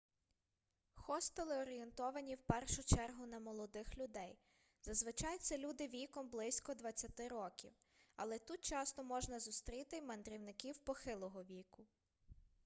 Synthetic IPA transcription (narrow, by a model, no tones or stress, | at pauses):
xɔst̪elˠɪɔɾʲɪjent̪ɔʋɐnʲiwpɛrʃʊt͡ʃɛrɦʊnɐmɔlˠɔd̪ɪxlʲʊd̪ɛj | zɐzʋɪt͡ʃɑjt̪sɛlʲud̪ɪʋʲijkɔmblˠɪsʲkɔd̪ʋɐt͡sʲːɐt̪ɪɾɔkʲḭw | ɐ̰lˠɛt̪ut̪̚t͡ʃɑst̪ɔmɔʒnɐzʊst̪ɾʲit̪ɪmɐnd̪ɾʲiwnɪkʲiwpɔxɪlˠɔɦɔʋʲijkʊ